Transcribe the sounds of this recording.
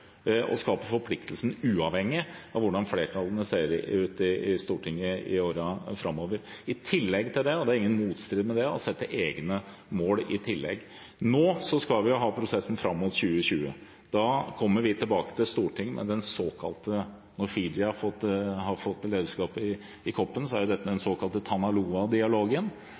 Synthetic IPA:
ɔ̰skɑːpəfɔɾpʰlɪkt̪ʰəlsn̩ʉːɑʋhɛŋːɪɑʋʊɖɑnfleːɾʈʰɑlənəseːɾʉːt̪ɪɪst̪uːʈʰɪŋːəɪ̰oːɾəfɾɑmːoːʋəɾɪt̪ʰɪlːɛɡt̪ʰɪld̪ɛɔd̪ɛæɾɪŋːənmuːt̪st̪ɾɪːd̪mɛd̪ɛɔ̰sɛt̪ːəʔeːɡnə | moːlɪt̪ʰɪlːɛ̰ɡ | noːsɔskɑlʋɪjʊɦɑːpʰɾʊsɛsn̩fɾɑmːʊt̪ɕʉːəɕʉːə̰ | d̪ɑkʰɔmːəɾʋɪt̪ʰɪlbɑːkə̥t̪ʰɪlst̪uːʈʰɪŋːmʔɛ̰d̪ɛnsoːkʰɑ̰lt̪ə | nɔɾfɪd̪ɪɑfɔt̪ːɦɑɾfɔt̪ːleːd̪əʂkɑːpɪː | kʰɔpːənsɔæɾjʊd̪ɛt̪ːəmɛd̪ɛnsoːkʰɑlt̪ət̪ʰɑnɑluːɑd̪ɪɑloːɡən

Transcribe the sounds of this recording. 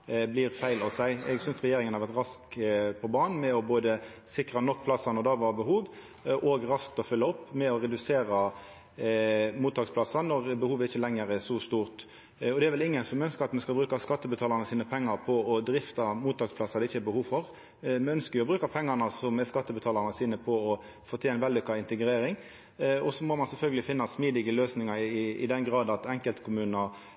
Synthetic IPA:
bliːɾfæɪlɑʋsæɪɛɡsʏnsʁɛjeːɾɪŋənhɑɾʋæʁt̪ɾɑskpʰɔbɑːn̩mɛɔboːd̪ə | sɪkɾɑnɔkːpʰlɑsːɑnɔd̪ɑːʋɑːbəɦuːʋ | ʔoɡɾɑsk̚t̪ɔfʏlːəɔpːmɛɔɾɛd̪ʉseːɾɑ | muːt̪ːɑːɡsplɑsɑnɔʁbəhuːʋəɪçːəlɛŋːəɾɛsɔst̪uːʁt̪ | ɔd̪ɛɾʋɛlɪŋːənsɔmɛœnskəɾɑt̪mɛskɑlbɾʉːkɑskɑt̪ːəbət̪ʰɑːlɑʁnəsiːnəpʰɛŋːɑɾpʰɔɔd̪ɾɪft̪ɑmuːt̪ɑːɡspʰlɑsɑd̪ɛɪçːəɛbəhuːʋfɔɾ | mɛœnskəjʊɔbɾʉːkɑpʰɛŋːɑnɑsɔmɛskɑt̪ːəbət̪ʰɑːlɑʁnəsiːnəpʰɔɔ | fɔt̪ʰeːnʋɛld̪ɪkːɑɪnt̪əɡɾeːɾɪŋ | ɔsɔmɔmɑnsɛlfœlɡəlɪfɪnːɑsmiːd̪ɪɡəløːsnɪŋɑɾɪɪ̰d̪ɛnɡʁɑːd̪ɑt̪ɛŋkəlt̪kʰʊmʉːnɑ

